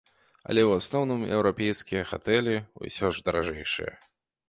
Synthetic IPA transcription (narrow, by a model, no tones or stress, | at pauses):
ɐ̰lʲɛwasnɔwnɨmɛ̰wɾapʲɛjskʲijɐxat̪ɛlʲɛṵsʲɔʐd̪ɐɾaʐɛjʂɨ̰jɛ̰